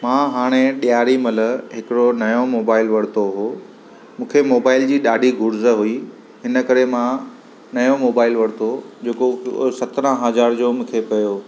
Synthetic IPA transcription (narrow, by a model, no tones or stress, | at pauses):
mãɦaːɽ̃eɗijaːɾimɐləɦɪkɪɽonɐjomoːbaːɪlʋɐɽ̤t̪oɦoː | mũːkʰemoːbaːɪld͡ʑiːɗaːɖʱiɡʱʊɾzəɦui | ɦɪnə̆kɐɾemã | nɐjomoːbaːɪlʋɐɽ̤t̪od͡ʑeːkosɐt̪ɾə̃ɦɐzaːɾd͡ʑoːmũːkʰepɐjoː